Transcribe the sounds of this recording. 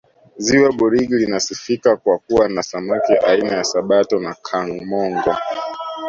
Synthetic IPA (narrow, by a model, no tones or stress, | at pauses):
ziwaɓuɾiɡilinasifikakwakuwanasamɔkɛʔainajasaɓatɔnakʰaŋmɔŋɡɔ